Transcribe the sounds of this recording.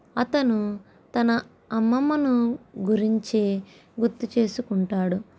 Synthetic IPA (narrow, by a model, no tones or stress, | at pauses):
ɐt̪ɐnu | t̪ɐnɐ | ɐmːɐmɐnuɡuɾiɲt͡ʃi | ɡuɾt̪ːut͡ʃe̞ːsukuɳʈaːɽu